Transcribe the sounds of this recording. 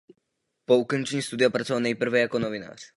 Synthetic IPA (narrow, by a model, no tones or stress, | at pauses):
po̞ukont͡ʃɛɲiːst̪udɪjapɾat͡sovalnɛjpr̩vɛjako̞novɪna̰ːr̝̥